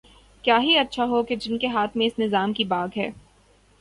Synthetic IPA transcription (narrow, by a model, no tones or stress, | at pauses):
kjaːɦiɐtːʃʰaɦoked͡ʒɪnkeɦaːt̪ʰmẽɪsnɪzaːmkibaːɡɦɛː